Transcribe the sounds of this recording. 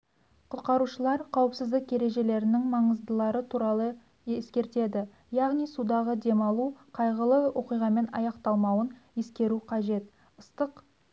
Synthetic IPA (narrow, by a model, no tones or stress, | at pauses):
qʰʊt̪̚qɑɾuʃəlˠɑɾqʰɑwəpsɪzd̪ɪkʲje̞ɾe̞ʒe̞le̞ɾɪnɪŋmɑɴəzd̪əlˠɑɾət̪ʰuɾɑlˠə | eskʲe̞ɾt̪e̞d̪ɪ | jɑʁnijsud̪ɑʁəd̪e̞mɑlˠuqʰɑjʁəlˠəwʔo̞qijʁɑme̞nɑ̰jɑqt̪ɑlˠmɑwəne̞skʲe̞ɾuqʰɑʒe̞t̪̚ | əst̪əq